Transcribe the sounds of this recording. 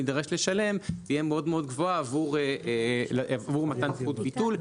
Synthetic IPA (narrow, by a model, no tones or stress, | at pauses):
id̪aʁeʃle̞ʃale̞mt̪ijemeo̞d̪meo̞d̪ɡvo̞aːvuʁe | avuʁmat̪ant͡sut̪bit̪ul